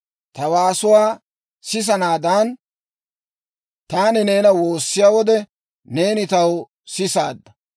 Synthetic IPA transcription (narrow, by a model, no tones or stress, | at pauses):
t̪ɐwaːsʊwaː | sɪs̬ɐnaːd̪aːn | t̪aːnɪneːnɐwo̞ːsːɪjaːwɔd̪ɛ | ne̞ːnɪt̪ɐw | sɪsa̰ːd̪ːɐ